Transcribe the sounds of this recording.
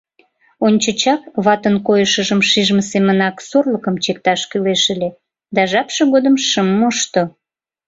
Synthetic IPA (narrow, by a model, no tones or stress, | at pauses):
onʲt͡ɕət͡ɕɑk̚βɑt̪ənkojəʃəʒəmʃiʒməsemənɑksorləkəmt͡ɕek̚t̪ɑʃkyleʃəlʲe | d̪ɑʒɑpʃəɣod̪əmʃəmːoʃt̪o